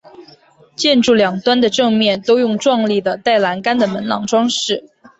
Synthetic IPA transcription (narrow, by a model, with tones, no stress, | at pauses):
t͡ɕjɛ˥˧nʈ͡ʂu˥˩ljɑ˨˩ŋt̪wa˥nd̪ə˨ʈ͡ʂɤ˥˧ŋmjɛ˥˩nt̪o˥ʊjʊ˥˧ŋʈ͡ʂwɑ˥˧ŋli˥˩d̪ə˩t̪a˥˩ɪla˧˥nka˥nd̪ə˨mə˧˥nlɑ̰˨˩ŋʈ͡ʂwɑ˥ŋʂɻ̩˥˩